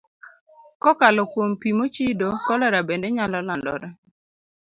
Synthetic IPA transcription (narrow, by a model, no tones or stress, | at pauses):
kɔkalɔkwompimot͡ʃidokɔlɛɾabendeɲalɔlandɔ̰ɾɛ